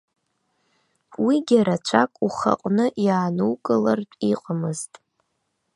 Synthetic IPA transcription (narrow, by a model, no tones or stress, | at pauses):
wiɡʲaɾat͡ʃʷʰakʼuχa̰qʷʼnɨʔjaːnuwkʼɨlartʷʼiqʼamɨztʼ